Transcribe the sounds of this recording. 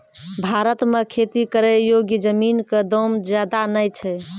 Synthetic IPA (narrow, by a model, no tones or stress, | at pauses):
bʱaɾət̪mekʰet̪ikəɾɛjoɡjəd͡ʒəminked̪ɔmd͡ʒjad̪anəjt͡ʃʰɛ